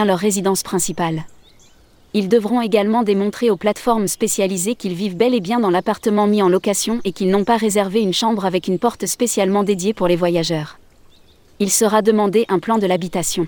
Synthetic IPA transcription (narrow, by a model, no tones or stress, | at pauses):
ɛ̃lœʁːezid̪ɑ̃spχɛ̃sipal | ild̪əvʁɔ̃eɡalmɑ̃d̪emɔ̃t̪χeoplat̪fɔʁmspesjalizekʲilvivbɛlebjɛ̃d̪ɑ̃lapaʁt̪əmɑ̃miɑ̃lɔkasjɔ̃ʔekʲilnɔ̃paʁezɛʁveynʃɑ̃bʁavɛkynpɔʁt̪spesjalmɑ̃d̪ed̪jepuʁlevwajaʒœːʁ | ilsəʁad̪əmɑ̃d̪eʔɛ̃plɑ̃d̪əlabit̪asjɔ̃